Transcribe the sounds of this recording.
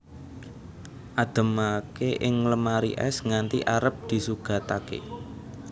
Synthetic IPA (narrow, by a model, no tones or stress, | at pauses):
ʔad̪̥ə̤makeʔɪŋləmaɾḭʔɛ̰sŋant̪ḭʔaɾəp̚d̪̥i̤suɡ̥ä̤t̪akḛ